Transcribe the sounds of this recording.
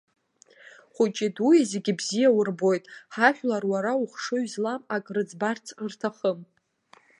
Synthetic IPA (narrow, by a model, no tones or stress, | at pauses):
χʷʊt͡ʃʼidujazeɡʲɪbzijawʊrbo̞jtʼħaħᶣlarwaɾauχʂɨɥzlamakʼrɨd͡zbart͡sʰrtʰaχəm